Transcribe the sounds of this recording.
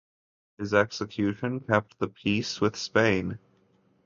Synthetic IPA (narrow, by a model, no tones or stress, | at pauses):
hɨzɛksɨkʰj̥ʉʃɨ̃nkʰɛp̚t̪̚ðəpʰiswɨð̥spẽɪ̃n